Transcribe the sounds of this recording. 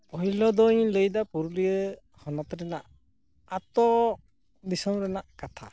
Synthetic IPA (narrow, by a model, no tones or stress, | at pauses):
pɔɦilɔd̪ɔĩləjd̪apuɾlijə | hɔnɔt̪ɾɛnaʔ | at̪ɔ | d̪isɔmɾɛnaʔkat̪ʰa̰